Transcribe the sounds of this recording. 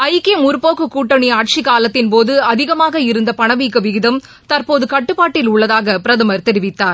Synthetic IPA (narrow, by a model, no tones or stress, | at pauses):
ɐjkeːmʊɾɯpoːkɯkuːʈːɐɳiaːʈ̚t͡ʃikaːlɐt̪ːɪnpoːðɯɐðɪɣɐmaːɣɐɪɾɯnd̪ɐpɐɳɐʋiːkːɯʋɪɣɪðɐm | t̪ɐɾpoːðɯkɐʈːɯpːaːʈːɪlʊɭːɐðaːɣɐpɪɾɐðɐmɐɾt̪ɛɾɪʋɪt̪ːaːɾ